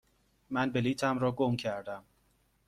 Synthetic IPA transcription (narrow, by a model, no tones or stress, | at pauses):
mænbeliːt̪ʰæmɾɒːɡomcʰæɾd̪æm